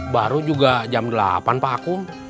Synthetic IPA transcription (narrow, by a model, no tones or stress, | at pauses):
baɾud͡ʒuɡad͡ʒamdəla̰panpaːku